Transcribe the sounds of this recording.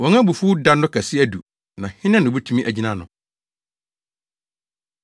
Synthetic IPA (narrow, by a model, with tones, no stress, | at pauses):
wɔ̃˨ŋã˦bu˨fuː˦da˦nʊ̃˦kʰæ˨sɪ˦æ˦du˨ | nã˨hɪ̃˦nɛ̃˦nʊ̃˨bɛ˦tʰũ˦mĩ˦ʔæ˨d͡ʑi˦nã˨nʊ̰̃˨